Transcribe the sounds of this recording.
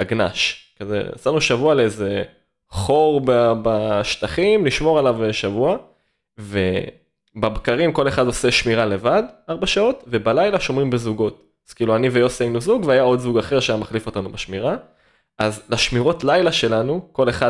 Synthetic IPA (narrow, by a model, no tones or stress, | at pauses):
aɡna̰ʃkazḛsanuʃavualeeze̞ | χo̞ʁbabaʃt̪aχimliʃmo̞ʁalaveʃavua | ve | babkaʁimko̞le̞χado̞se̞ʃmiʁale̞vadaʁbaʃao̞tve̞balajlaʃo̞mʁimbezuɡo̞t | z̥kiːluanivejosienuzuɡveajao̞dzuɡaχe̞ʁʃeajamaχlifotanubaʃmiʁa | ʔazlaʃmiʁo̞tlajlaʃe̞lanuko̞le̞χa